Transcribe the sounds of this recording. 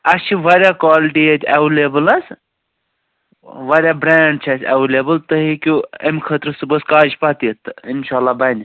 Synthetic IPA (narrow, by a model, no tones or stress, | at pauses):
ɐst͡ʃʰiʋɐɾʲjakwaːliʈijet̪ʰʲɐʋleːbɨlɐs | ʋɐɾʲjaːbɾeːɳɖ̚t͡ʃʰɐsʰʲɐ̰ʋleːbɨlt̪əɦikʲuemʲkʰət̪ɾsɨbəskaːd͡ʒpat̪iət̪inʃaːlːaːbɐnʲ